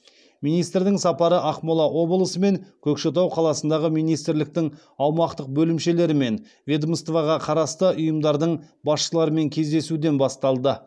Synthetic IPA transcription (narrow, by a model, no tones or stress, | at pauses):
mijnijst̪ɾd̪ɪŋsɑpɑɾəʔɑqmolˠɑʔo̞blˠəsəme̞ŋkʲʰɵkʃet̪̬ɑwqʰɑlˠɑsənd̪ɑʁəmijnijst̪ɾlɪk̚t̪ɪŋ | ɑwmɑqt̪əq̚bɵlɪmʃe̞le̞ɾɪme̞n | vʲed̪mst̪vɑʁɑqʰɑɾɑst̪əʔʊjəmd̪ɑɾd̪əɴ | bɑsʃəlˠɑɾəme̞ŋkʲʰe̞zd̪e̞sud̪e̞nbɑst̪ɑlˠd̪ə